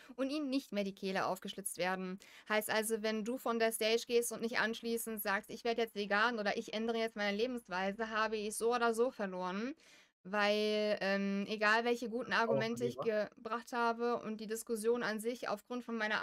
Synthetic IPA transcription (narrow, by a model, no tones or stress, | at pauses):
ʔʊntʔiːmənːɪçtmeːɐdiːkʰeːlɐʔa̰ʊfɡ̥əʃlʏt͡stv̥eːɐdn̩haɪstʔalzovɛnduːfɔndeːɐstɛɪʃɡ̥eːstʊntnɪçtʔa̰nʃliːsn̩tz̥aːkstɪçv̥eːɐdəjɛt͡stv̥eɡaːnʔoːɾɐʔɪçʔɛndəʁ̞əjɛt͡stmaɪnəleːbm̩sv̥aɪzəɦaːbəɪçz̥oːoːdɐzoːfɛɐloːʁən | vaɪlʔɛːmʔeɡaːlvɛlçəɡuːtn̩aɐɡumɛntəɪçɡ̥əbʁaχthaːbəʔʊ̰nt̚d̥iːdɪskʊsjoːna̰nzɪça̰ʊfɡ̥ʁʊntfɔnmaɪnɐ